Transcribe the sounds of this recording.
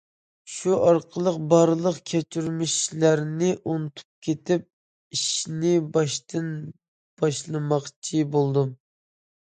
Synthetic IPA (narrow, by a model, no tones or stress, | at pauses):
ʃuʔɑɾqʰəlˠəqbɑɾlˠəqkʲʰɛt͡ʃʰyɾmiʃlæɾnɪʔunɨt̪ʰu̥p̚kʲʰet̪ɪp̚ | iʃnɪbɑʃt̪ɨn | b̥ɑʃlˠɨmɑqt͡ʃʰibolˠd̪um